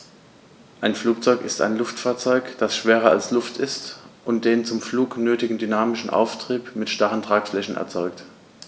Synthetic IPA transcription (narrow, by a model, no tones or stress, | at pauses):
ʔaɪnfluːk̚t͡sɔʏkɪsta̰ɪnlʊftfaːɐt͡sɔʏkd̥asʃv̥eːʁɐa̰lslʊftɪstʔʊntd̥eːnt͡sʊmfluːknøːtɪɡŋ̩dynaːmɪʃn̩ʔa̰ʊftʁ̥iːpmɪtʃtaʁəntʁ̥aːkflɛçn̩ʔɛ̰ɐt͡sɔʏkt